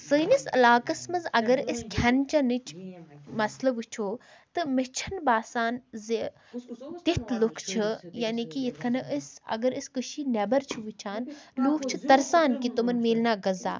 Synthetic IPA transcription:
sɨːnisɐ̰laːkɐsmɐzɐɡɐɾiskʰɐnt͡ʃɐnit͡ʃʰmɐslɐbut͡ʃʰoː | t̪ɨmɪt͡ʃʰɐnbaːsaːnzi | t̪it̪ʰlukʰt͡ʃʰɨjaːnikijit̪ʰkʰɐnɐʔəsɐ̰ɡɐɾiskɨʃinɐbɐɾt͡ʃʰiʋut͡ʃʰaːnluːkʰt͡ʃʰɨt̪ɐɾsaːnkit̪umɐnmeːlnaːɡɐza̰ː

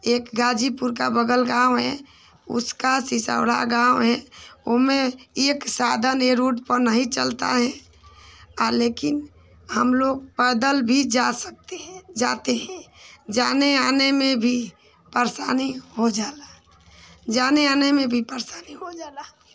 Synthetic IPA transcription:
eːkɡaːd͡ʒipʊɾk̬a̰bəɡəlɡãːwɦɛ̰ | ʊ̰skasɪsə̰ʊɽa̰ɡãːwɦɛʊɦmẽeːksaːd̪ʱəneɾuːʈpəɾnəɦĩt͡ʃəlt̪a̰ɦɛ̃ | aɾleːkɪn | həmloːɡ̚pəd̪əlbʱid͡ʒasək̚t̪ed͡ʒaːt̪eɦɛ̃d͡ʒaːneaːnemẽbʱi | pəɾsaːnihod͡ʒaːla | d͡ʒaːneaːnemẽbʱipəɾsaːniɦod͡ʒaːla

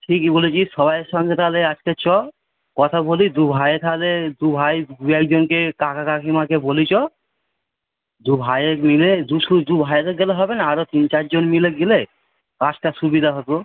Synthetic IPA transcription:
ʈʰikibolit͡ʃisɔbajeɾʃɔŋɡet̪ʰaleat͡ʃket͡ɕɔ | kɔt̪ʰabolid̪ubʱajet̪ʰaled̪ubʱajd̪uɛk̚d͡ʒonkekakʰakakʰimakebolit͡ʃɔ | d̪ubʱajekmiled̪usud̪ubʱajekeɡɛleɦɔbenaaɾot̪int͡ʃaɾd͡ʒonmileɡile | kat͡ʃʈaʃubid̪ʱaɦɔt̪o

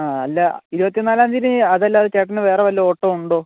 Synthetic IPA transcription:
aːɐlːɐiɾubɐt̪ːinaːlaːnd̪iɾɨɐðɐlːɐɐðɨt͡ɕeːʈːinɨʋe̞ːreʋɐlːɐoːʈːoːuɳɖoː

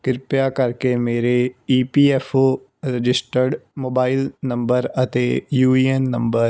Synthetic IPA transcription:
kɪɾpjakəɾkemeːɾeiːpiːɛːfʰo | ɾɪd͡ʒɪsʈəɾɖmoːbaːɪlnə̃mbəɾət̪ejuːiɛnːə̃mbəɾ

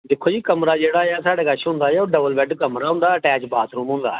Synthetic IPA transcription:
d̪ɪkʰoːd͡ʒiːkəmɾad͡ʒeːɽaːɪjasaːɽekaʃɦʊ̃ːnd̪aːjaoɖəʋəlʋɛʈkɐmɾaɦʊ̃n̆d̪aəʈɛːt͡ʃbaːt̪ʰɾũːmɦʊ̃ːnd̪a̰ː

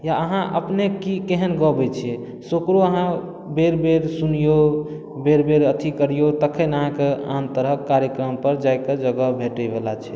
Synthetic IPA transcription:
jaəɦãʔə̰pnekikeɦənɡɔbɛt͡ʃʰɛ | sokɾoəɦã | beɾbeɾsunijo | beɾbeɾət̪ʰikəɾijot̪əkʰənəɦãkea̰nt̪əɾəkːaɾjəkɾəmpəɾd͡ʒajked͡ʒəɡəbʱeʈəbelat͡ʃʰɛ

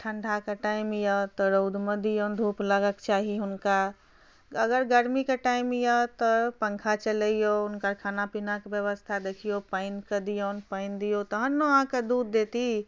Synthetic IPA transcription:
ʈʰəɳɖʱakaʈaimjət̪ɔɾoʊd̪ʱməd̪ijɔːnd̪ʱupləɡəkt͡ʃaːɦiɦʊnka | əɡəɾɡəɾmikeʈaimjət̪ɔpə̃ŋkʰat͡ʃələijoʊnkəɾkʰaːnapinakbjəʋəst̪ʰad̪ekʰijopəɪnkəd̪ijoːnpəɪnd̪ijot̪əɦənːoɦãked̪uːd̪ːet̪i

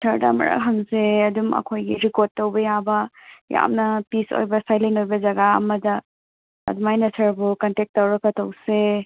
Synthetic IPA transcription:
sʰɐɾda̰mɐ̰ɾa̰k̚ɦɐŋseɐdumɐ̰kʰojɡiɾikod̚tːɐwbɐjabɐja̰mnɐpiso̰jbɐsajlenojbɐd͡ʒɐɡaɐ̰mɐdɐ̰ː | dumajnɐsʰɐɾbukɐntek̚tːɐwɾɐkːɐtɐwse

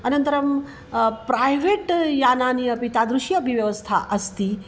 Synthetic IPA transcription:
ɐnɐnt̪ɐɾɐm | pɾajʋeːʈjaːnaːniɐpit̪aːd̪ɾuʃjɐpiʋjɐʋɐst̪ʰa̰ʔɐst̪i

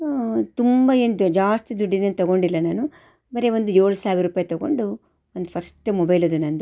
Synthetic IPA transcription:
t̪umbɐeːnud͡ʒaːst̪id̪uɖːinent̪ɐɡo̞ɳɖilːɐnaːnu | bɐɾeʋond̪ujoːɭusaːʋʲiɾuːpaːjt̪ɐɡo̞̰ɳɖu | ond̪upʰɐsʈmɔbɐjlɐd̪unɐnd̪u

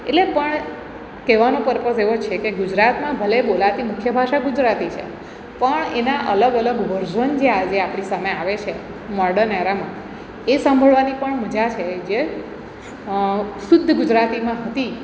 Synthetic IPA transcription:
ḛtlepəɳ | keʋanõpəɾpəseʋot͡ʃʰekeɡud͡ʒɾat̪mãbʱəlebolaʋt̪imʊkʰjəbʱaʃaɡud͡ʒɾat̪it͡ʃʰḛ | pəɳenaʔələɡələɡʋəɾd͡ʒənd͡ʒead͡ʒeapɳ̃isameaʋet͡ʃʰe | mɔɾɖənɛɾamã | esãmbʱəɭʋanipəɳməd͡ʒat͡ʃʰed͡ʒe | sʊd̪ʱːəɡud͡ʒɾat̪imãɦət̪i

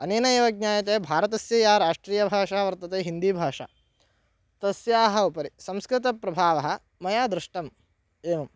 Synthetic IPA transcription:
ɐneːnɐeʋɐɡ̚ɲaːjɐt̪̬eːbʱaːɾɐt̪ɐsjɐjaːɾaːʂʈɾiːjɐbʱaːʂaːʋɐɾt̪ɐt̪eːɦind̪iːbʱaːʂa̰ː | t̪ɐsjaːɦɐupɐɾisɐ̃mskɾɪt̪ɐpɾɐbʱaːʋɐɦɐ̆ | mɐjaːd̪ɾɪʂʈɐm | eːʋɐm

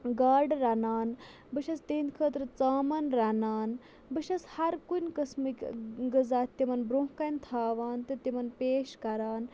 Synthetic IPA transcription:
ɡaːɾɖɾanaːn | bəʃɐst̪eːnkʰəːt̪ɾɨt͡saːmɐnɾanaːn | bəʃɐshɐɾkunʲkɐsmɨkʲɡəzaːt̪t̪imɐnbɾuɦkɐnt̪ʰaːʋaːnt̪ɨt̪imɐnpeːʃkɐɾaːn

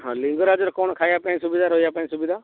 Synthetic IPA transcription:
ɦãlɪ̃ŋɡoɾaːd͡ʒəɾkoːɳkʰaːjaːpãːĩsʊbid̪aːɾoːjaːpãːĩsʊbɪd̪aː

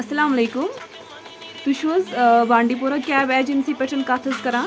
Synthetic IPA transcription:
ɐsɐlaːmɐleːkum | t̪uɕoːzʋãːɳɖipoɾakʲaʋɛːd͡ʑinsiːpeʈʰənkat̪ʰəskɐɾãː

